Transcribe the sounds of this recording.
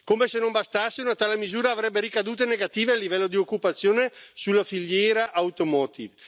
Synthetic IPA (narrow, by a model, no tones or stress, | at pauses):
komesenombast̪asːeunat̪aːlemizuːɾaːvɾɛbːeɾikad̪uːt̪̬eneɡat̪iːvealːivɛlːod̪iokːupat̪sːjoːnesulːafiʎːjɛːɾaʔawt̪omɔːt̪iv